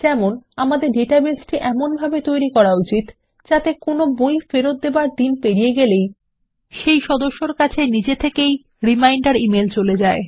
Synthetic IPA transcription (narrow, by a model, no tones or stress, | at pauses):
d͡ʑɛmonamad̪eɾɖeʈabesʈiʔɛmonbʱabet̪ojɾikɔɾaut͡ɕit̪ | d͡ʑat̪ekonobojfeɾot̪̚d̪ebaɾd̪inpeɾijeɡelej | ʃejʃɔd̪oʃːoɾkat͡ɕʰenid͡ʑet̪ʰekej | ɾimajɳɖaɾimelt͡ɕoled͡ʑae